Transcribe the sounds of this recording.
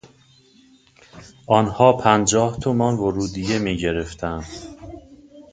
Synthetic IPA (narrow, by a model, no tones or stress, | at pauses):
ʔɒːnhɒːpʰænd͡ʒɒːht̪ʰomɒnvoɾuːd̪ijemiːɟe̞ɾe̞ft̪ʰænd̪̥